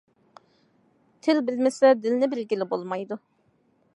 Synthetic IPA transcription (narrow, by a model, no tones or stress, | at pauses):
t̪ʰɪlbɪlmɪsɛd̪ɪlnɪbɪlɡʲilɪbolˠmɑjd̪u